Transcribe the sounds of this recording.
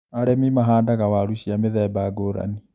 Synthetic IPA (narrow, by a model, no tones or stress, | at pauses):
aɾemimaɦaːndaɣawaɾuɕiameðɛbaɡoɾa̰ni